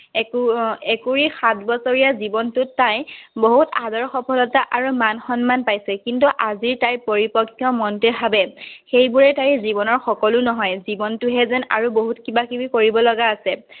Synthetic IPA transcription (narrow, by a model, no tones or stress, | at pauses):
kɛkuɹixatʰbɔsɔɹijazibɔntʊtːajboɦutadɔɹxɔpʰɔlɔtaʔaɹumanxɔnmanpajsɛkintuʔaziɹtajpoɹipɔkʰːjɔmɔntɛbʱabɛxejbuɹɛtaɹzibɔnɔɹxɔkɔlʊnɔɦɔjzibɔntʊɦɛzɛna̰ɹuboɦutkibakibikoɹibɔlɔɡaːsɛ